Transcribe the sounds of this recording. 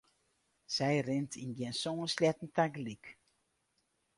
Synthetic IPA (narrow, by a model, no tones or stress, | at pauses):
sɛjrɪntʰinɡjɛnsoːənslɛtn̩taɡlik